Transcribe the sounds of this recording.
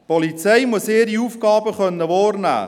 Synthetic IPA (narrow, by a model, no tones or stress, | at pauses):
pɔlit͡sɛɪmuəseːɾiuːfɡɑːbəχœnːəʋɔːrnæ̰ː